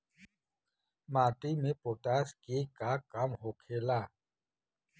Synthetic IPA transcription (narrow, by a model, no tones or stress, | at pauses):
maːt̪imẽpoːʈaːskekakamɦoːkʰeːlaː